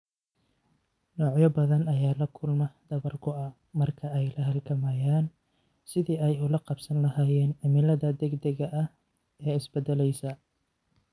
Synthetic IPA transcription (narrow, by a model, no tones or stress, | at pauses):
nɔːʕjɐbɐðɐnɐjaːlɐkʰʊlmɐd̪ɐβɐrkʰʊɐ | mɐrkʰɐɛjlɐɦɐlɡʰɐmɐjaːn | sɪðiːɛjʊlɐqɑbsɐnlɐhaːjɛːnʕɐmɪlɐðɐd̪ɛɡd̪ɐɣɐʔɐ | ɛːɪsbɛd̪ɛlɛjsɐ